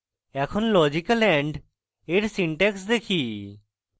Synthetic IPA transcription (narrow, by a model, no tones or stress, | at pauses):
ɛkʰɔnlɔd͡ʒikəlɛɳɖ | eɾsiɳʈeksd̪ekʰi